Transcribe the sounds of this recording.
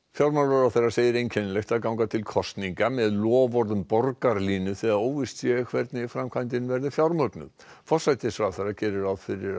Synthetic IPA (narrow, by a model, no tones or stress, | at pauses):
fjawɾmaɾvɛɾawθerːaɾseːjɪɾejncʰɛnlɛxt̪aðkawŋkat̪ʰɪlkʰɔst̪niŋkamɛðlɔːvɔɾðʏmpɔɾkaɾliːnʏθɛɣðaðoːwvɪst̪sjɛkʰvɛɾt̪nɪfɾamkʰajnt̪̬ɪnʏvɛɾðɪfjawɾmœknʏ̰ | fɔ̥sajt̪ɪsfɾawθejrːacɛːɾɪɾaðfɪɾɪɾ